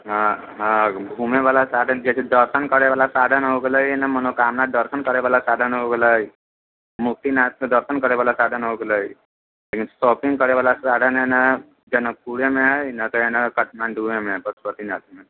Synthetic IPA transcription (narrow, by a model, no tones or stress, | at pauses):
ɦã | ɦãbʱumeʋalasaːd̪ʱənd͡ʒesʰid̪əɾsənkəɽeʋalasaːd̪ʱənɦoɡəlaenamənokaːmnad̪əɾsənkəɽeʋaːlasaːd̪ʱənɦoɡəlai | muk̚t̪inat̪̚d̪əɾsənkəɽeʋalasaːd̪ʱənɦoɡəlai | lekinsɔːpĩŋɡkəɽeʋalasaːd̪ʱənɦena | d͡ʒənəkuɽemeɦainat̪oenəkəʈʰmãnɖ̪ʱumemeɦpəɾsət̪inat̪me